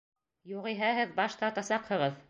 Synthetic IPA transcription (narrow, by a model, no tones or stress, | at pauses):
juʁiɦæɦɘðbɑʃt̪ɑt̪ɑsɑqhɤ̆ʁɤð